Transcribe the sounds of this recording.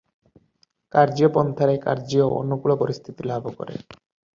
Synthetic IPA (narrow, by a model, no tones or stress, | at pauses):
kaɾd͡ʑiopɔnt̪ʰaɾeka̰ɾd͡ʑioʔo̰nːokuɭopoɾist̪ʰit̪ilabʱokɔ̰ɾḛ